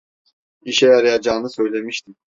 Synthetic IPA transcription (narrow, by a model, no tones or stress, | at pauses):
iʃɛjaɾɯjad͡ʒaːnɯsø̞jlʲe̞miʃt̪ʰim